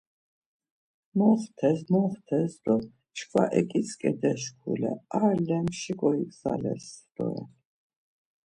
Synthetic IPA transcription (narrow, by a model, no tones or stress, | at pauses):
mɔχt̪ʰɛsmɔχt̪ʰɛsd̪ɔ | t͡ʃʰkʰwaʔɛkʼisʰkʼɛd̪ɛʃkʰulɛ̰aɾlɛmʃiɡɔikza̰lɛ̰sd̪̥ɔɛ